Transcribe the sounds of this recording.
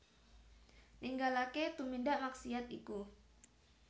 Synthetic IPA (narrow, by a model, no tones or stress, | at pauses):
niŋɡalaket̪umindaʔmaksiat̪iku